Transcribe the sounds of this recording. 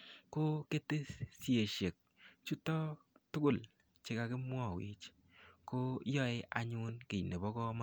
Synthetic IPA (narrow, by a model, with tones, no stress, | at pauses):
ko˦ke˦te˦sje˨ʃe˨k̚ | t͡ʃu˦tɔ˦tʊ˦ɡʊ˦˨l | t͡ʃe˦ka˨kɪ˦m˦ɔ˦˨wḭ˨t͡ʃ | ko˦jɔ˦ɪ˦ʔa˨ɲʊ˦nke˨ne˨bɔ˦kɔ˦ma˦